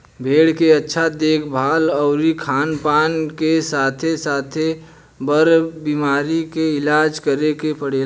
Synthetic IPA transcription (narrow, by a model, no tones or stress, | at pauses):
bʱeːɽkeətːʃʰad̪eːkʰbʱaːlɔːɾikʰaːnpaːnkesaːt̪ʰesaːt̪ʰe | bəɾbiːmaːɾikeɪlaːd͡ʒkəɾekepəɽ̤eːl